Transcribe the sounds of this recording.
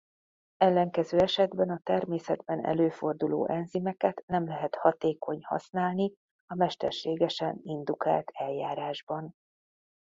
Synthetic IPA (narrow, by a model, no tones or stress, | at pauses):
ɛlːɛŋkɛzøːɛʃɛd̪bɛnɒt̪ɛrmeːsɛd̪bɛnɛ̰løːfo̞rd̪ulo̰ːʔɛnzimɛkɛt̪nɛmlɛɦɛt̪hɒt̪eːko̞ɲhɒ̰snaːlni | ɒmɛʃt̪ɛ̰rʃeːɡɛʃɛnind̪uka̰ːlt̪ʰɛljaːɾaːʒbɒn